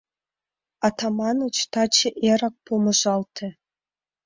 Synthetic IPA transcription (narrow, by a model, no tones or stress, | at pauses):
ɑt̪ɑmɑnot͡ɕt̪ɑt͡ɕeʔeɾɑk̚pumɤ̆ʒɑlt̪ʰĕ